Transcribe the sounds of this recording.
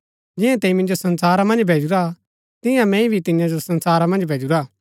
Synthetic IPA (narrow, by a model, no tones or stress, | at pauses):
d͡ʒɪjɛ̃t̪ɛĩmɪ̃nd͡ʒosɐ̃nsaːɾamɐ̃nd͡ʒbʱeːd͡ʒuɾa | t̪ɪ̃jãmɛ̃ĩbʱit̪ɪ̃jãd͡ʒosɐ̃nsaːɾamɐ̃nd͡ʒbʱeːd͡ʒuɾaː